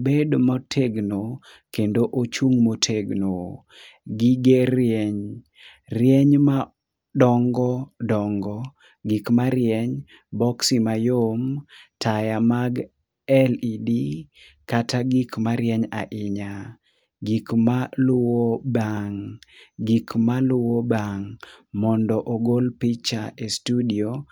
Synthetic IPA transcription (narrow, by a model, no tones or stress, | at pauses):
bedmɔtʰeɡno | kendoʔot͡ʃuŋmotʰeɡno | ɡiɡeɾjɛɲ | rjɛɲma | dɔŋɡɔdɔŋɡɔ | ɡikmaɾjɛɲ | bɔksimajomtʰajamaɡ | ɛlidi | kataɡikmaɾjɛɲa̰ʔɪɲa | ɡikmalʊwobaŋɡikmalʊwobaŋmɔndɔʔoɡolpit͡ʃaestudio